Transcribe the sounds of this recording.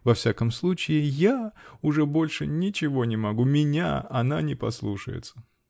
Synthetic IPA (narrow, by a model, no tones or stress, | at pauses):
vɐfsʲakəmslˠut͡ɕɪɪjaʊʐɛbolʲʂɨnʲɪt͡ɕɪvo̞nʲɪmɐɡumʲɪnʲa̰ɐnanʲɪpɐ̰slˠuʂə̰jɪ̰t̪sə̥